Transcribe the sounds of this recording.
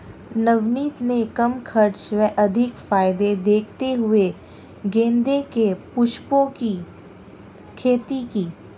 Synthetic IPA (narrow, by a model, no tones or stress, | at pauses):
nɐʋniːt̪nekɐmkʰɐɾt͡ʃʋɛʔɐd̪ʱɪkfaːɪd̪ed̪eːkʰt̪eɦʊe | ɡẽːnd̪ekepʊʃpõki | kʰeːt̪ikiː